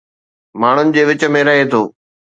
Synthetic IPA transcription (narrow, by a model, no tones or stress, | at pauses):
maːɳ̤ʊnɪ̆d͡ʑeːʋɪt͡ɕə̆mẽɾɐɦet̪ʰoː